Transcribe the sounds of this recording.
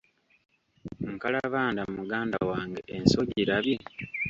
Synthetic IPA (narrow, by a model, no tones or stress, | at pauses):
ŋ̩kalaβaːndamumuɡaːnda̰waːŋɡe̞ʔenso̞ɟiɾaβje